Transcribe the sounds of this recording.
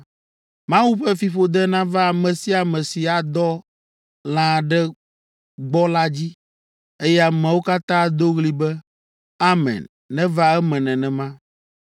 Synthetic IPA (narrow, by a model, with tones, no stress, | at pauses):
mã˦wu˦ɸɛ˦fi˨ɸo˦d̪ɛ˦nã˦va˦˨mɛ̃˨si˦a˨mɛ̃˨si˨a˨d̪ɔ˦ | lã˨ɖɛ˦ | ɡ͡bɔ˦la˦d͡ʑi˦ | e˦jɛ˦a˨mɛ̃˨wo˦ka˦t̪ã˦d̪o˦ɣli˦bɛ˦ | a˦mɛ̰̃˨nː | ɛ̃˦va˦ɛ˦mɛ̃˨nɛ̃˨nɛ̃˨mã˦